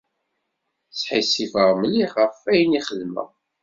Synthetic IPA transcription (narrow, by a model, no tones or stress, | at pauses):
sħisifəʁmliʁəfæjniχəlmə̰